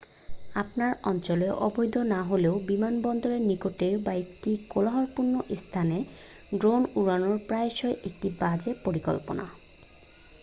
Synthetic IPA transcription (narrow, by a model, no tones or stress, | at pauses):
apnaɹɔnt͡ɕɔlɔʔɔbɔjd̪ʱɔnaɦoleʊbimanbɔnd̪ɔɹenikoʈebajt̪ːikolaɦɔɹpuɹnːɔʔist̪ʰane | ɖɹonuɹanɔɹpɹajʃɔjʔek̚ʈibad͡ʑepoɹikɔ̰lpɔ̰na̰